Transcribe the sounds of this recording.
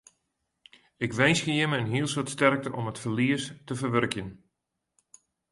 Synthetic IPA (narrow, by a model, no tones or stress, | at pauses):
ɪkʋɛjnsxəjəməənɦiəlˠsotstɛrk̚təʔɔmətfərliəstəvərʋørkjən